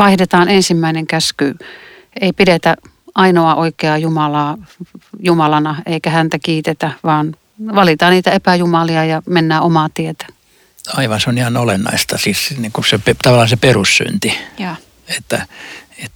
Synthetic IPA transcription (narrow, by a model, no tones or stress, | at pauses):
ʋɑihdet̪ɑːnensimːæineŋkæsky | eipiɾet̪æ | ʔɑinoɑʔoikeɑjumɑlɑː | jumɑlɑnɑeikæhænt̪ækiːt̪et̪æʋɑːn | ʋɑlit̪ɑːniːt̪æepæjumɑliɑjɑmenːæːomɑt̪iet̪æ̥ | ɑiʋɑnseonihɑnolenːɑ̰ist̪ɑsissnikusepet̪ɑʋɑlːɑhɑnseperussy̰nt̪i | et̪ːæet̪